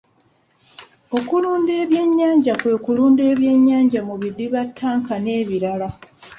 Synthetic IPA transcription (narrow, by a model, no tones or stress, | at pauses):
o̞kuluːnde̞ːβje̞ɲːaːɲɟakwe̞ːkuluːnde̞ːβje̞ɲːaːɲɟamuβidiβatʰːaːŋkane̞ːβiɾala